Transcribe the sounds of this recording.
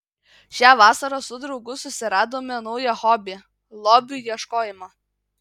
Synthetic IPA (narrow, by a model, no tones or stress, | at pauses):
ʃʲæːʋɑːsɐɾoːsʊd̪ɾɒʊɡʊsʊsʲɪɾɑːd̪oːmʲenɔʊjɛxɔːbʲɪ | lˠoːbʲuːˑjiɛʃkoːjɪmɐ